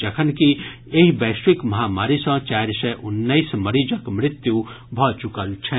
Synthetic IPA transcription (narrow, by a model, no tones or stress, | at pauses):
d͡ʒɐkʰənki | eɦibeːʃwikmɐɦaːmaːɾisə̃t͡ʃaːɾsɛʔʊnːəismɐɾid͡ʒəkmɾɪt̪ju | bʱɔt͡ʃukəlt͡ʃʰɛ̃